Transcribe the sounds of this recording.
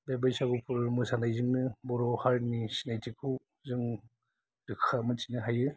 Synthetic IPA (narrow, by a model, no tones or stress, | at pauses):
bebajsaɡupʰuɾmɯsanajzɯŋnɯbɔɾɔhaɾnisinajtʰikʰɯw | zɯŋ | ɾɯkʰamɯt͡ʃinɯɦajɯ